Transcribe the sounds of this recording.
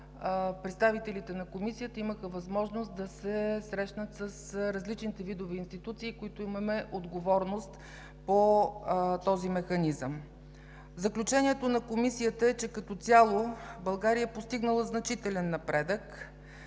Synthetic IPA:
pɾɛt̪st̪avit̪ɛlit̪ɛnɐkomisijət̪əiməxəvɐzmɔʒnost̪̚d̪ɐsɛsɾɛʃnət̪səsɾɐzlit͡ʃnit̪ɛvid̪ovɛːnst̪it̪ut̪siːkoit̪oimɐmɛʔod̪ɡovɔɾnost̪ | po | t̪ɔzimɛxɐnizəm | vzɐklʲut͡ʃɛniɛt̪onɐkomisiət̪əɛt͡ʃɛkɐt̪ɔt̪sʲjalˠobɐlˠɡaɾijəɛpost̪iɡnəlˠəznɐt͡ʃit̪ɛlɛnːɐpɾɛd̪ək

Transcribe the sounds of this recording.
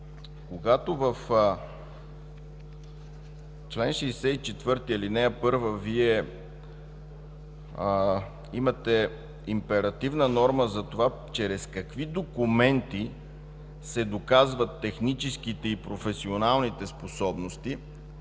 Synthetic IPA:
koɡat̪ovɐf | t͡ʃlɛnʃɛːsɛit͡ʃɛt̪vɤɾt̪iɛlinɛɐpɤɾvəviɛ | imɐt̪ɛ | impɛɾɐt̪ivnənɔɾməzɐt̪ova | t͡ʃɛɾɛskɐkvid̪okumɛnt̪i | sɛd̪okazvət̪ːɛxnit͡ʃɛskit̪ɛipɾofɛsionalˠnit̪ɛsposɔbnost̪i

